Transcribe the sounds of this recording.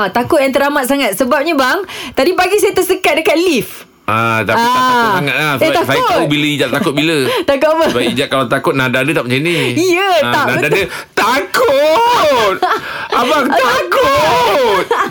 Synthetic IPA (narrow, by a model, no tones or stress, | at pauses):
t̪akʊt̪̚jaŋt̪əɾamat̪̚saŋat̪̚səbap̚ɲabaŋt̪adipaɡisajət̪əsəkat̪̚dəkat̪̚lif | at̪aaaaat̪aat̪asaʊbiləid͡ʒaʔ̚t̪akʊt̪̚bilət̪akʊt̪̚apabaid͡ʒat̪̚kalat̪akʊt̪̚nadadət̪apəɲt͡ʃəniijət̪anadadə | t̪akʊt̪̚abaŋt̪akʊat̪